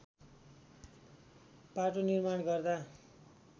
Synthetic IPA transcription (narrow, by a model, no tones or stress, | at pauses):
paʈonirmanɡʌrd̪a